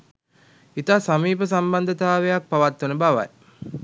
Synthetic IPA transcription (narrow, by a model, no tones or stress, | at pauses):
it̪aːsamiːpəsamband̪ət̪aːʋejak̚paʋat̪ːunəbaʋa̰j